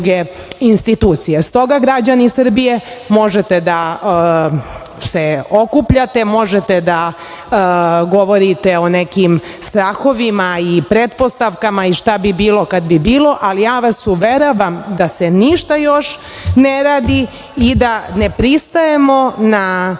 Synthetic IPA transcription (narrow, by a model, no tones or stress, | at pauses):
ɡe | inst̪it̪uːt̪sijest̪o̞ɡaɡɾad͡ʑanisr̩bijemo̞ʒet̪ed̪a | seokupʎat̪emo̞ʒet̪ed̪a | ɡo̞ʋo̞ɾit̪eo̞nekimst̪ɾaːxo̞ʋimaipɾet̪po̞st̪aʋkamaiʃt̪abibiːlo̞kad̪bibiːlo̞ʔalijaːʋasuʋeɾoʋamd̪aseniʃt̪ajoʃ | neɾaːd̪i | id̪anepɾist̪ajemo̞na